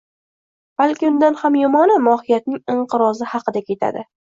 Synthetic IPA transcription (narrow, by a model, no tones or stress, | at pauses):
b̥alkʲɪʊnd̪anhamjʊmɒnɪmɒhɪjat̪̚nɪŋɪɴqɨɾɒzɪhɑqɨd̪akʲʰe̞t̪ʰa̰d̪ɪ